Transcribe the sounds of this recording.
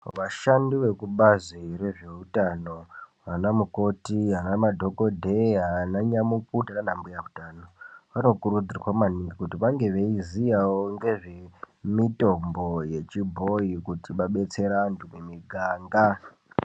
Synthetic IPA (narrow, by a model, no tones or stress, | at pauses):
ʋaʃandiʋe̞kuɓaziɾe̞ʐe̞utano̞ʋanamuko̞tiɦanamadʱo̞ko̞dʱeɦanaɲamuk̚utananambujautano̞ʋano̞kuɾud͡zirwamaniŋɡikutiʋaŋɡe̞ʋeizijawoŋɡe̞ʐe | mito̞mbo̞je̞t͡ʃibʱo̞ikutiɓaɓe̞t͡se̞ɾantʰumemiɡʱaːŋɡa